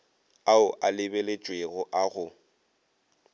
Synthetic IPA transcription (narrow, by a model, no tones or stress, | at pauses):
aʊʔalɪbelet͡ʃʼweɣʊʔaɣʊ